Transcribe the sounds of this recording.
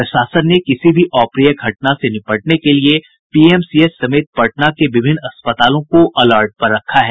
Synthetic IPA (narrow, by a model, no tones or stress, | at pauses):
pɾɐʃaːsənːekɪsibʱiʔɔːpɾijəɡʱɐʈ̚nasenɪpəʈnekelie | piːɛmsiesɐmeːt̪̚pɐʈnakeʋɪbʱɪnːɐspət̪aːlõkoʔɐlaːɾʈ̚pɐɾːɐkʰːaɦɛː